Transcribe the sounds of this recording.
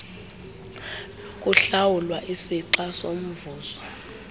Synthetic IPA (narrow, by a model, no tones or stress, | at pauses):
k̬ʼuɬawulwaʔisiǀasom̩vuːzɔ